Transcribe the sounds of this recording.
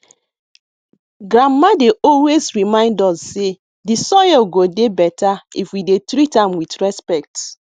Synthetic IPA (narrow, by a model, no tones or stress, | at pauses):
ɡɹamːadeʔɔlwezɹimãɪ̃ndɔsːe | disɔjɛlɡodebɛtaifwidetɾitãmwitɹɛspɛk̚t